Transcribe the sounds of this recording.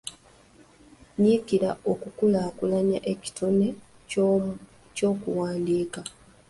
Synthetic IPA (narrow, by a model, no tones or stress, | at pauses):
ɲikiɾao̞kukulaːkulaɲa̰ʔe̞ci̥tʰone | co̞ːkuwaːndiːka